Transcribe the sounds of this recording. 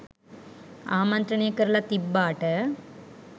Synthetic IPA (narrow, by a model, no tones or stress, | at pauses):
aːmɐnt̪ɾɐneːkɐɾlɐt̪ibːaːʈɐ